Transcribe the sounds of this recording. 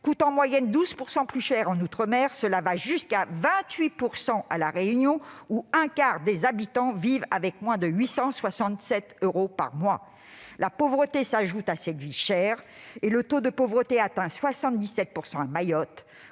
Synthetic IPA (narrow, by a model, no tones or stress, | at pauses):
kut̪ɑ̃mwajɛnd̪uzpuʁsɑ̃plyʃɛʁɑ̃nut̪χəmɛʁsəlavaʒyskavɛ̃t̪ɥipuʁsɑ̃ʔalaʁeynjɔ̃uɛ̃kaʁd̪ezabit̪ɑ̃viva̰vɛkmwɛ̃d̪əɥisɑ̃swasɑ̃t̪sɛt̪øʁopa̰ʁmwa̰ | lapovʁət̪esaʒut̪asɛt̪viʃɛʁelət̪od̪əpovʁət̪eat̪ɛ̃swasɑ̃t̪̚d̪isɛt̪̚puʁsɑ̃amajɔt̪